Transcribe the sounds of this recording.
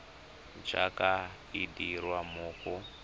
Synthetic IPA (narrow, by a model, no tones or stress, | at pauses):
t͡ʃaka | idirwamuːku